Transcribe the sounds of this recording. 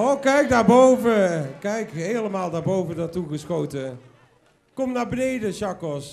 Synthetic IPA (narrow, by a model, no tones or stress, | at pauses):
okɛjk̚daːɹbowvəkɛjkɦeːləmaːlˠdaːɹbowvədatuɣəsxowtə | kɔmnaːɹbənejdəʃɑkɔs